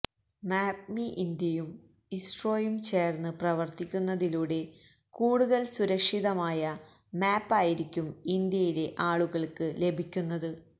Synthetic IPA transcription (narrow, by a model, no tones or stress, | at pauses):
maːmiʔind̪jɐjum | isʈro̞ːjumt͡ɕe̞ːrnɨprɐʋɐrt̪ikʲːunːɐðiluːɽe̞ | kuːɽuðɐlsuɾɐkʂiðɐmaːjɐ | maːpːaːjiɾikʲːumind̪jɐjile̞ʔaːɭuɣɐɭkɨle̞bʱikʲːunːɐðɨ